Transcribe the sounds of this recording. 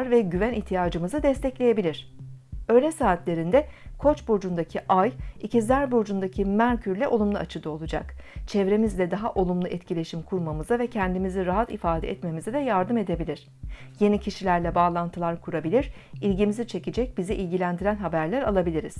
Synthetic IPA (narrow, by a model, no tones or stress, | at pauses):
ɾvɛɟyvænʔiçt̪ʰijaːd͡ʒɯmɯzɯd̪ɛst̪ʰɛclʲeje̞bilʲiɾ̝̥ø̞jlʲɛsaːt̪lʲe̞ɾind̪ɛkʰo̞t͡ʃbo̞d͡ʒund̪acʰiʔajicizæɾbod͡ʒund̪acʰimæncʰyɾlʲɛʔo̞lˠumlˠuat͡ʃʰɯd̪ao̞lˠud͡ʒa̰kt͡ʃʰɛvɾe̞mizlʲɛd̪aɦaʔo̞lˠumlˠuʔɛt̪cʰilʲe̞ʃimkʰuɾmamɯzavɛcʰɛnd̪imiziɾaɦat̪ifaːd̪ɛ̰ɛt̪me̞mizid̪ɛjaɾd̪ɯme̞d̪e̞bilʲiɾ̝̥ | je̞nicʰiʃilʲæɾlʲɛbaːlˠant̪ʰɯlˠaɾkʰuɾabilʲiɾ̥ | ilʲɟimizit͡ʃʰe̞cid͡ʒɛc̚biziʔilʲɟilʲænd̪iɾænɦabæɾlʲæɾalˠabilʲiɾiz̥